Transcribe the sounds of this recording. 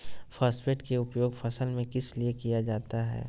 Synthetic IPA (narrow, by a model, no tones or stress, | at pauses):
faːsfeːʈkeʊpjoːɡfɐsəlmẽkɪsliekijad͡ʒaːt̪aɦɛ̰ː